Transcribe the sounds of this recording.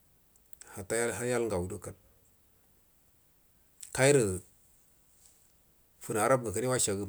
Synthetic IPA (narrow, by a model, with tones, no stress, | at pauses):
ha˨ta˦jɦa˦ja˦lŋɡa˨wu˨du˦ka˨n | ka˦i˦ɾə˨ | fu˨n˨a˨ɾa˦b̚ɡa˨ka˨ni˦wa˦ʃa˨ɡə˨